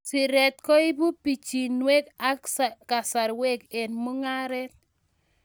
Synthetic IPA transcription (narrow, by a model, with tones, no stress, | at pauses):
sɪ˨ɾɛ˨t̪kɔ˦i˦bu˦pi˨t͡ʃi˨nwe˦ka˦kska˨sa˨ɾwe˦ke˨nmo˦ŋa˦ɾɛ˦t̚